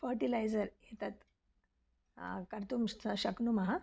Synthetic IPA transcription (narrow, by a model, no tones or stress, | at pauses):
fəɾʈilajzəɾjet̪at̪ | kəɾt̪umɕəknumaɦa